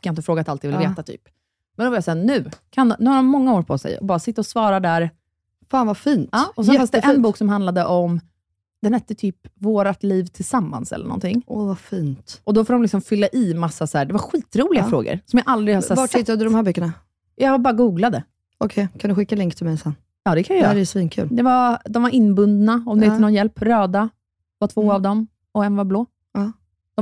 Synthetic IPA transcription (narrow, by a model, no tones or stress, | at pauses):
kʰajɪnt̪əfɾoːɡat̪alt̪jvɪlveːt̪at̪ʰy̰ːp | mɛnd̪ɔvɪɾjasæːɾnʉ̟ːkʰannʉ̟ːhaɾɔmmːɔŋːaoːɾpʰɔsɛ̰jɔ̰bɑːɾasɪt̪ːaɔsvɑːɾad̪æɾ | faːnvafiːnt̪ɑːɔsɛnfanst̪ʔɛnbuːksɔmhand̪lad̪əʔɔm | d̪ɛnhɛt̪ːət̪ʰyːpvoːɾat̪liːvt̪ʰɪlsamːa̰nsɛ̰lːəɳɔ̰nt̪ʰɪŋːʔɔvafiːnt̪ʔɔd̪ɔfoːɾɔmlɪksɔmfʏlːaʔɪmasːasæːɖɛvaɾɧiːt̪ɾuːlɪɡafɾo̰ːɡə̰ɾsɔmjaːʔald̪ɾɪhasɛvaʈ̪hɪt̪ːad̪ɵd̪ɔmhæːɾbœkːəɳa | jɑbɑːɾaɡuːɡlad̪ə | ɔkʰɛjkʰand̪ɵɧɪkːalɛŋkt̪ʰɪlmɛjsɛn | ɑːd̪ɛkʰanjajːɾɾɛsvinkʰʉ̰ːld̪ɛvad̪ɔmvaɾʔɪnːbɵnd̪naɔmd̪ɛɛnɔnjɛlpɾøːd̪a | vaʈʰv̥oːavd̪ɔm | ɔɛnvaɾbloː | ɑ